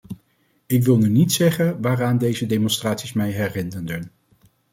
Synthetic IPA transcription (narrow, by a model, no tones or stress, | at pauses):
ɪk̬ʋɪlˠnynitsɛχənʋaːraːndejzədemɔnstraːtsismɛjɦɛɹrɪnərdən